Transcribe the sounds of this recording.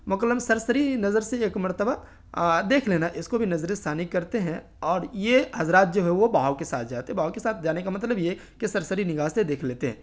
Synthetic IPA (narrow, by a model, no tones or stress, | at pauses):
mʊkəlːəmsɐɾsəɾinɐzəɾseeːkmɐɾt̪əba | d̪eːkʰleːnaʔɪskobʱinɐzɾɪst̪ʰaːnikɐɾt̪eɦɛ̃ | ɔːɾjeɦɐzɾaːt̪̚d͡ʒoːɦɛʋobaːwkesaːt̪ʰd͡ʒaːt̪eɦɛ̃bʱaːwkesaːt̪̚ʰd͡ʒaːnekamɐt̪̬ləbjekisɐɾsəɾinɪɡaːssed̪eːkʰleːt̪eɦɛ̰̃ː